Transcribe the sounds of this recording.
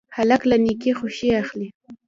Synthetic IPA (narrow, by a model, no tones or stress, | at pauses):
halaklanɪkɪχʊʃɪjɑχlɪ